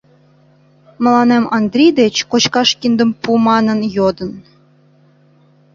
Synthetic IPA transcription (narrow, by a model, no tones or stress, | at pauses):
mə̆lˠɑnemɑnd̪rʲijd̪et͡ɕkot͡ɕkɑʃkʲind̪ə̆mpumɑnɤ̆njod̪ə̆n